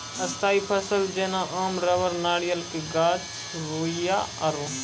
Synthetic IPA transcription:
əst̪aːipʰəsəld͡ʒeːnãːʔaːmɾəʋəɾnaːɽijəlkeɡaːd͡ʒ | ɾoːijaːəɾoː

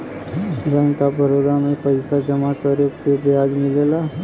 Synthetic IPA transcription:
bɛ̃ːŋkabʱəɾoːd̪amẽpəɪsad͡ʒəmakəɾekebɪjaːd͡ʒmɪlela

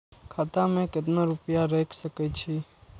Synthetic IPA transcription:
kʰat̪ãmẽkɪt̪naɾupjaɾɛːkʰsəkɛt͡ʃʰi

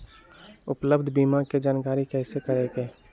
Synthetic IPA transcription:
ʊpləbd̪ʱbiːmaked͡ʒaːnkaːɾikɛːsekəɾeːkeː

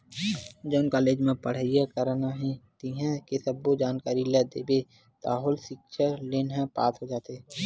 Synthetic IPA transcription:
d͡ʒoːnkaːleːd͡ʒmẽpəɽ̤əijakəɾnaɦẽt̪iɦɛ̃kesəbːod͡ʒaːnkaːɾilɛd̪eːbe | t̪aːɦʊlsɪkʃʰəleːnɦɛ̃paːt̪ɦod͡ʒaːt̪e

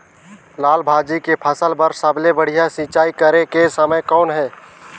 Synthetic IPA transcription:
laːlbʱaːd͡ʒikepʰəsəlbəɾsəblebəɽ̤ijasĩt͡ʃaːikəɾekesəməjkɔːnɦɛː

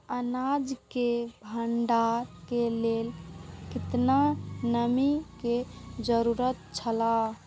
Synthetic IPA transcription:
ənad͡ʒkebʱəɳɖaɾkelelkit̪nanəmiked͡ʒəɾuɾət̪̚t͡ʃʰəla

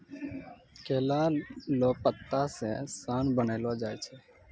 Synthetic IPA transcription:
keːlaːloːpət̪ːaseːsaːnbəneːlod͡ʒaːɛt͡ʃʰɛː

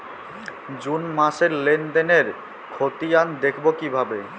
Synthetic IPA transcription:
d͡ʑunmaʃeɾlend̪eneɾ | kʰot̪iand̪ekʰbokibʱabe

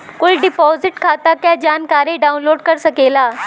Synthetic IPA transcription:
kʊlɖɪpɔːzɪʈkʰaːt̪akjaːd͡ʒaːnkaːɾẽɖaːʊ̃nloːɖkɐɾsɐkeːlaː

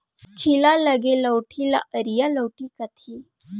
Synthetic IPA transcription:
kʰilaləɡeləwʈʰila̰ʔəɾijaləwʈikat̪ʰi

